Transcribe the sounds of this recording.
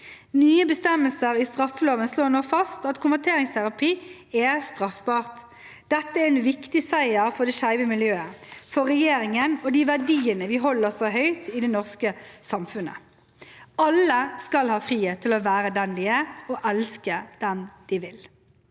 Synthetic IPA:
nyːəbəst̪ɛmːəlsəʁɪst̪ʁɑfːəloːʋənsloːnoːfɑst̪ɑt̪kʰʊnʋæt̪ʰeːʁɪŋst̪ʰæʁɑpʰiːɛst̪ʁɑfbɑːʁt̪ | d̪̥ɛt̪ːəæɛnʋɪkt̪ɪsæɪəɾfɔɖ̪ɛʃæɪʋəmɪljøːəfɔʁɛjeːɾɪŋənɔd̪iʋæɖiːənəʋɪɦɔlːəʁsoːɦœʏt̪ɪd̪ɛnɔʁskəsɑmfʉnə̰ | ɑlːəskɑlhɑːfʁiːheːt̪ʰːɪlɔʋæːɾəd̪ɛnlɪəɔʔɛlskəd̪̥ɛmd̪̥ɪʋɪl

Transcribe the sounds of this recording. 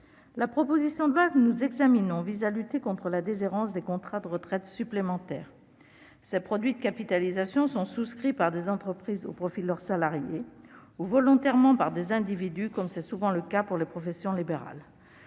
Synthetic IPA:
lapχɔpozisjɔ̃d̪əlwakənuzɛɡzaminɔ̃vizalyt̪ekɔ̃t̪χəlad̪ezeʁɑ̃sd̪ekɔ̃t̪χad̪əʁət̪χɛt̪syplemɑ̃t̪ɛːʁ | sepχɔd̪ɥid̪əkapit̪alizasjɔ̃sɔ̃suskχipaʁd̪ezɑ̃t̪χəpχizo̰pχɔfid̪əlœʁsalaʁjeuvɔlɔ̃t̪ɛʁmɑ̃paʁd̪ezɛ̃d̪ivid̪ykɔmsɛsuvɑ̃ləkapuʁlepχɔfɛsjɔ̃libeʁa̰l

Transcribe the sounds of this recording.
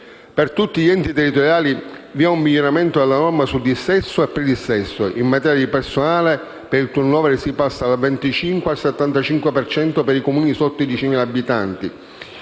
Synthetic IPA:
pert̪ut̪ːiʎiɛnt̪it̪ɛrːit̪oɾjaːliviaumːiʎːoɾamɛnt̪od̪ɛlːanɔrmasud̪isːɛsːoɛpːɾɛd̪isːɛsːoʔimːat̪ɛːɾjad̪ipɛrsonaːle | peɾilt̪urnɔːvɛɾsipasːaːlvɛnt̪it͡ʃiŋkwealset̪ːant̪at͡ʃiŋkwepɛrt͡ʃɛnt̪opeɾikomuːnisɔt̪ːoid̪it͡ʃimileabːit̪ant̪i

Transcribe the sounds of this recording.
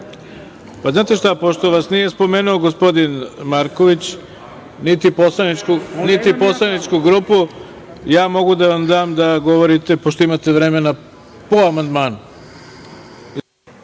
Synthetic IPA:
paznaːt̪e̞ʃt̪apo̞ʃt̪o̞ʋasnije̞spo̞meːnuo̞ɡospo̞d̪inmaɾkoʋit͡ɕ | nit̪iposlˠanit͡ʃkunit̪ipo̞slˠanit͡ʃkuɡɾuːpu | jaːmo̞ɡud̪aʋamd̪aːmd̪aɡo̞ʋo̞ɾit̪epoʃt̪oimat̪e̞ʋɾeme̞na | poamand̪maːnu

